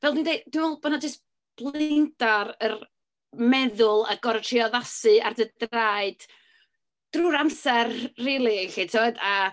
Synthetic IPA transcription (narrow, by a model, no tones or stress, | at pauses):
vɛlˠdwindejtd̥winɔlˠbɔnad͡ʒəst | b̥lˠɪndaɾər | mɛðʊlˠa̰ɡɔɾtʰriɔðasɨardədaɨd̥ | d̥ruːɾamsɛrriːlˠiɬitʰeɔda